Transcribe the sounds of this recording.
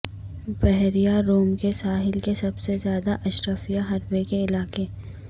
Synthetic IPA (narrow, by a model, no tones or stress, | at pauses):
bɛɦɾijaɾoːmkesaːɦɪlkesɐbsezjaːd̪aʔɐʃɾəfijaɦɐɾbekeɪlaːke